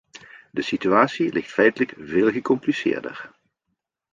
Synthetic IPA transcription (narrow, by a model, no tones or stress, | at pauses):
dəsityaːtsilʔɪxtfɛjtələkveːlˠɣəkɔmplisɪ̰ːɹdə̰ɹ